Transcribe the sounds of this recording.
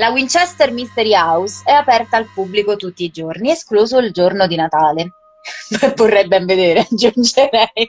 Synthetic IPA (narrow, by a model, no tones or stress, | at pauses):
lawint͡ʃɛst̪ermist̪eɾiawsɛapɛrt̪aːlpubːlikot̪ut̪ːiːd͡ʒornieskluːzoild͡ʒornod̪inat̪aːle | mevːorːɛjbɛɱved̪eːɾead͡ʒːund͡ʒeɾɛj